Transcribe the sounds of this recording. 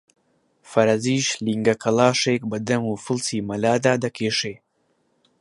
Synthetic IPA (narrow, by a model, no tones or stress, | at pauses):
fɐɾɐziːʃliŋɡɐkʰɐlaːʂekbɐd̪ɐmufɨlsimɐlaːd̪aːd̪ɐkʰeːʂeː